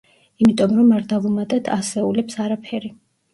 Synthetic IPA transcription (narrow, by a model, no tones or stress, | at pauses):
imit̪ʼɔmɾɔmaɾd̪avumat̪ʼɛt̪ʰasɛulɛpsaɾapʰɛɾi